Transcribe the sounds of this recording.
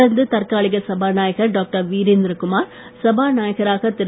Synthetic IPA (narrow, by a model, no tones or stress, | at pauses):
ɐɾnd̪ɯt̪ɐɾkaːɭɪɣɐsɐbaːnaːjɐɣɐɾɖoːk̚ʈɐɾʋiːɾɪnd̪ɾɐkʊmaːɾ | sɐbaːnaːjɐɣɐɾaːɣɐt̪ɪɾ